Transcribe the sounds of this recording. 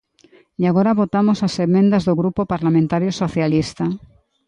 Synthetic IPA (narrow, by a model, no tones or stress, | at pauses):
jaɣ̞oɾaβot̪amosasemẽnd̪azðoɣɾupopaɾlamẽnt̪aɾjoso̞θjalist̪a